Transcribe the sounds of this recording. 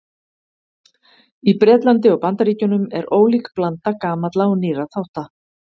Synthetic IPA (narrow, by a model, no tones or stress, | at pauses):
ipɾɛːt̪lant̪̬ɪɔɣpant̪aɾiːcʏnʏmɛɾoːwlikplant̪akaːmat̪laɔniːɾaθawht̪a